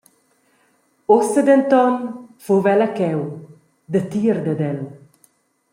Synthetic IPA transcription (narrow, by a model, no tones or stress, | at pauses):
osed̪ent̪ɔnfovɛlakɛw | d̪ət̪iɾd̪əd̪ɛl